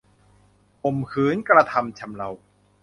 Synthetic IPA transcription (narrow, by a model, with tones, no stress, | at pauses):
ʔo˨˩mkʰɯː˨˩˦nkɾa˧t̪ʰa˧mt͡ɕʰa˧mla˧w